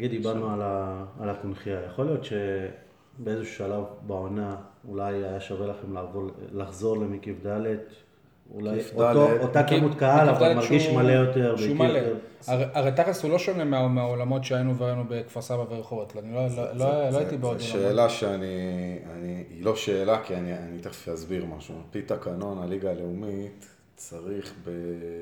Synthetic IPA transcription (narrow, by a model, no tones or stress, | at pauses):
ɡid̪d̪ibaʁnualaalakunχiajaχolijo̞t̪ʃe | beezeʃuʃalavbaonaulajajaʃavelaχemlavolaχzo̞ʁlemikifd̪alet | ṵlajfaloottakimut̪kaɦalavd̪alemaʁʃɡiʃmalejo̞teʁbʃeumaleaʁeʔaʁejt̪aχeshulo̞ʃonemeameaolamo̞tʃeajinuveanube̞kfasabaveʁeχo̞vot̪lanilolololoajit̪ibeod̪oʃeːlaʃeanianiilo̞ʃeːlakianianit̪aχfazbiʁmaʃupit̪akano̞naliɡaːleumit̪ | t͡saʁiχbe